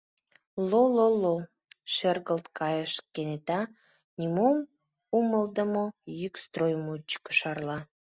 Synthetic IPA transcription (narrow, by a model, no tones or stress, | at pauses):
lololo | ʃerɣəlt̪kɑjəʃkenet̪ɑ | nʲimom | uməld̪əmojykst̪rojmot͡ɕkə̥ʃɑrlɑ